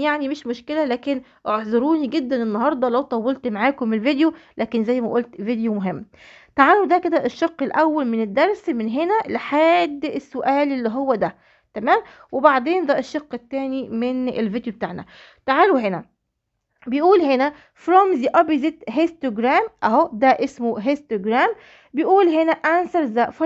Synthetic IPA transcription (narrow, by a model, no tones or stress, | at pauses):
jaʕnimeʃmoʃkelælæːken | ʔoʕzˤoɾuːniɡed̪ːænenːɑɦɑɾˤd̪ˤɑlæwt̪ˤɑwːelt̪maʕaːkomelvid̪jolʔæːkenzæjːmæʔolt̪vid̪jomoɦemː | t̪aʕaːlod̪æked̪æʔeʃːɑqːelʔæwːælmened̪ːɑɾˤsmenɦenæleħaːd̪ːesːoʔæːlelːiɦowːæd̪æ | t̪æmæːmwebaʕd̪eːnd̪æʔeʃːɑqːet̪ːæːnimenḛlvid̪jobet̪a̰ːʕnæ̰ | t̪aʕaːluɦenæ | bejʔuːlɦenæ | fɾɑmziʔɑbizet̪ɦest̪æɡɾæːmʔæɦod̪æʔesmoɦest̪æɡɾæːm | bejʔuːlɦenæʔænsɑɾzæʔf